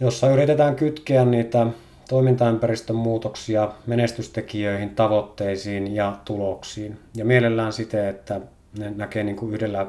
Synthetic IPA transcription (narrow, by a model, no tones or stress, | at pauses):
josːɑyrit̪et̪æːŋkyt̪keænniːt̪æ | t̪oˑimint̪ɑympærist̪ømmuːt̪oksiɑmenest̪yst̪ekijøˑihint̪ɑʋot̪ːeˑisiːnjɑt̪uloksiːnjɑmielelːæːnsit̪eet̪ːæ | nenækeniːŋkuyhdelːæ